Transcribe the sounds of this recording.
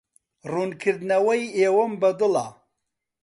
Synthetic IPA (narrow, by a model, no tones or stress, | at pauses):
ruːnkʰɨɾd̪nɐwɐjeːwɐmbɐd̪ɨla̰